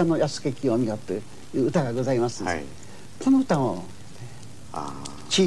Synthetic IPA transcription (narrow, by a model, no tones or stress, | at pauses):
ano̞jasɨ̥kekʲiamʲiɡat̪ːe | jɯːɯt̪aɡaɡozaimasɨ | konoɯ̟t̪ão | t͡ɕi